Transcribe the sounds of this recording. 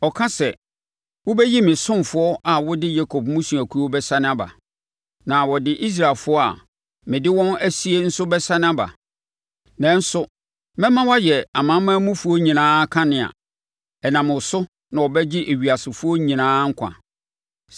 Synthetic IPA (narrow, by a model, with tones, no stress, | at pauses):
ɔ˨kʰã˦sɛ˨ | wʊ˦bɛ˦ji˦mɪ̃˨sʊ̃˦mfʊ˦ɔ˦ʔa˨wɔ˦dɪ˦ja˦kʰɔ˨b̚mũ˦su˨æ˨kʰu˦ɔ˦bɛ˦sã˦nɪ̃˦a˦ba̰˨ | nã˨wɔ˨dɪ˦ʔi˦s̬ɾa˨lfʊ˦ɔ˦a̰˨ | mɪ̃˨dɪ˦wɔ̃˦næ˦si˦e˦n̩˦sʊ˦bɛ˦sã˦nɪ̃˦a˦ba̰˨ | nɛ̃˦n̩˦sʊ˦ | mɛ̃˦mã˦wa˦jɛ˨a˨mã˨˦mã˦mũ˦fʊ˨˦ɔ˦ɲĩ˨nãː˦kʰã˦nɪ̃˨a̰˨ | ɛ˨nã˨mʊ̃˨sʊ˦ | nã˨ɔ˨bɛ˦d͡ʑɪ˦ʔe˨ɥi˨a˨sɪ˨fʊ˦ɔ˦ɲĩ˨nãː˦ŋ̩˦kʷʰã̰˨